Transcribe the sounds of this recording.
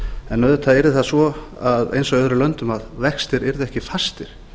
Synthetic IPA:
ɛnːœðʏt̪ʰaðɛɾðɪθasvɔ | aðḛjnsɔɣœðɾʏlœnt̪ʏmaðvɛkst̪ɪɾɛɾðɛhcɪfast̪ɪɾ̥

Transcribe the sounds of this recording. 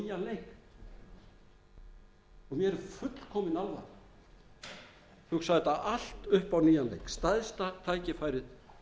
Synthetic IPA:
ijanlejk | ɔɣmjɛɾɛɾfʏt̪l̥kʰɔːmɪnalva̰ɾ | hʏɣsaɣðɪt̪aʔal̥t̪ʏhpawniːjanlḛjkst̪aðst̪at̪ʰaːjcɪfaːjɾɪð

